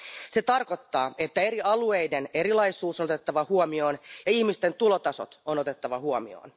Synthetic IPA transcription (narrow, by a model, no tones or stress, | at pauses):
set̪ɑrko̞t̪ːɑːe̞t̪ːæe̞ɾiɑluejde̞ne̞ɾilɑisuːsonot̪et̪ːɑʋɑhuomio̞ːnjɑihmist̪e̞nt̪ulot̪ɑso̞̰t̪ono̞t̪e̞t̪ːɑʋɑhuomḭo̰ːn